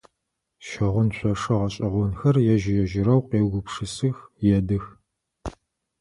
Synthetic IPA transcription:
ʃɐʁʷʊnɕʷʰɔʂɐʁɐɕʼɪʁʷʊnxɐrjɛʒɪjɛʒɪɾɐwqeːwɡʷʊpʂɨsɨxjɛdɨx

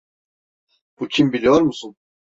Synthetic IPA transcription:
b̥ucʰimbilʲijoɾmusun

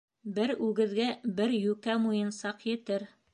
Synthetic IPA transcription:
bɘɾʉɡɘ̆ðɡæbɘɾjʉkæmujɤ̆nsɑqjɘ̆t̪ɘɾ

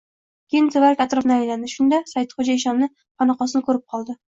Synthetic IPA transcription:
kʲejɪnt̪ʰevaɾkʲʰat̪ɾofnɪajland̪ɪʃʊnd̪asajt̪χod͡ʒaɪʃ̬ɒnnɪ | pʰɑnɑqɒsɪnkʰɵɾɪp̚qʰɒlˠd̪ɪ

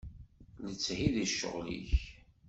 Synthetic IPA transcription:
lət͡sːhiðiʃːə̰ʁlḭç

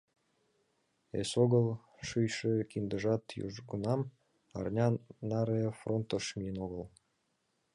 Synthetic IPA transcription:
ḛsoɣəlˠ | ʃyjʃekind̪əʒɑt̪jṵʒɡunɑm | ɑ̰rnʲɑnɑɾefront̪əʃmienoɣəl

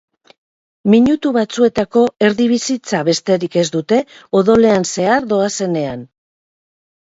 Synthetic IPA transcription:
miɲut̪uβat͡sue̞t̪ako̞e̞ɾðiβ̞isit͡saβe̞st̪e̞ɾike̞zd̪ut̪e̞o̞ðo̞le̞anse̞aɾðo̞ase̞ne̞an

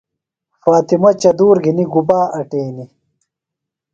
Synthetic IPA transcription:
faːt̪imɐt͡ɕɐd̪uːɾɡʱiniɡubaːʔɐʈeːni

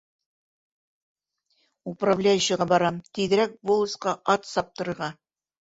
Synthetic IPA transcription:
upravlʲæjʉɕɤ̆ʁɑbɒɾɑmt̪iðɘ̆ɾæk̚bolˠɤ̆sqɑʔɑt̪sɑp̚t̪ɤ̆ɾɤ̆ɾʁɑ

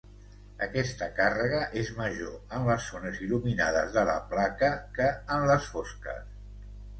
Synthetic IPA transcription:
əkɛst̪əkarəɣ̞əʔezməʒoənləsːonəziluminaðə̰zðələ̰plakəkəːnləsfoskə̰s

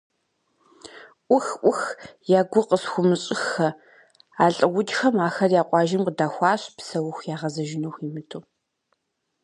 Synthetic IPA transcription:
ʔʷʊxʔʷʊxjaːɡʷʊqəsxʷʊmɨɕʼɪxɐ | aːɬʼɨwʷʊd͡ʒxɐmaːxɐrjaːqʷʼɑːʒɪmqədaːxʷɑːɕpʰsɐwʊxʷjaːʁɐzɐʒɪnoximɨtʰoː

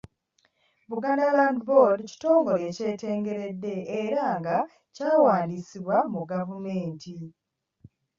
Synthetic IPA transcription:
βuɡanalandbodci̥to̞ːŋɡo̞le̞ːce̞ːte̞ːŋɡe̞ɾe̞dːe̞ːɾaŋɡa | caːwaːndisiβwamuɡavume̞ːnti

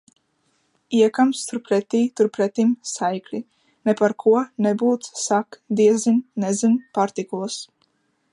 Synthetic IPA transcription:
iɛkamst̪uɾpɾɛt̪iːt̪uɾpɾɛt̪imsajklʲi | nɛpaɾkʰuɔnɛbuːt̪ssakd̪iɛzinnɛzinpaɾt̪ikulˠs

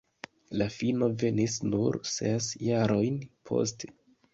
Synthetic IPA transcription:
lafino̞ve̞nisnuɾsesjaɾo̞jnpʰo̞̰ste̥

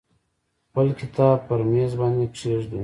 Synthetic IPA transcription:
pəlkɪt̪ɑːb̚pəɾmezbɑnd̪epʂeʐd̪u

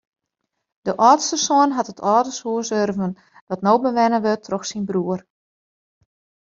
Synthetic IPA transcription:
d̥əʔɔːtstəsoənɦatətʰɔːdəshuəsørvən | dɔtnoːbəʋɛnəʋøtʰrɔxsinbruər

